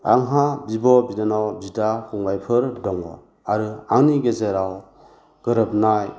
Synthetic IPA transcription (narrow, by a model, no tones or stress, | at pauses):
a̰ŋɦabibɔbidanawbidakuŋbajpʰɯɾdɔŋbɔ̰ | aɾɯaŋniɡezeɾaw | ɡ̥ɯɾɯp̚naj